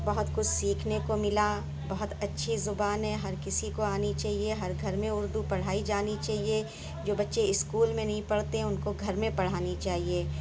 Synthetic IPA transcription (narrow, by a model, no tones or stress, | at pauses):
bɐɦʊt̪kʊt͡ʃʰsiːkʰnekomɪla | bɐɦʊt̪ɐtːʃʰizʊbaːnɦɛ̃ɦɐɾkɪsikoaːnit͡ʃaːɦieɦɐɾɡʱɐɾmẽʊɾd̪upɐɽ̤aːid͡ʒaːnit͡ʃaːɦie | d͡ʒoːbɐtːʃeɪskuːlmẽnɐɦĩpɐɽt̪eʊnkoɡʱɐɾmẽpɐɽ̤aːnit͡ʃaːɦieː